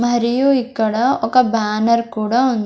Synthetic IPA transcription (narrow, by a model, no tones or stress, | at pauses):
mɐɾijuikːɐɽaɔkɐbaːnɐɾkuːɽaund̪